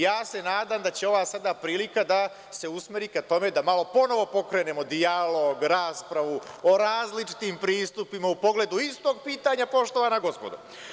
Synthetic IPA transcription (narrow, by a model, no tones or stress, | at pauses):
jaːse̞naːd̪aːmd̪at͡ɕe̞o̞ʋaːsad̪apɾiːlikad̪a | se̞usme̞ɾiːkat̪o̞me̞d̪amalo̞po̞no̞ʋo̞po̞kɾe̞ːne̞ːmo̞d̪ialo̞ɡɾaːspɾaʋu | o̞ɾaːzlit͡ʃi̥t̪impɾiːst̪upimaupo̞ɡle̞d̪uist̪o̞ɡ̚piːt̪aɲapo̞ʃt̪o̞ʋanaɡo̞spo̞d̪ṵ